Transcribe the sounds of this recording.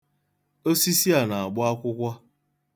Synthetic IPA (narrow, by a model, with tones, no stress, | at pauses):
o˦si˦si˦a˨na˨a˨ɡ͡bʊ˦a˦kʷʊ˦kʷa˦